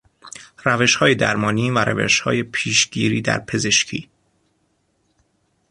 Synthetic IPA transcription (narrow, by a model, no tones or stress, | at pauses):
ɾæveʃhɒːje̞d̪æ̰ɾmɒːniːvæɾʔæ̰vḛʃhɒ̰ːje̞pʰiːʃɟiːɾiːd̪æ̰ɾpʰe̞ze̞ʃcʰḭː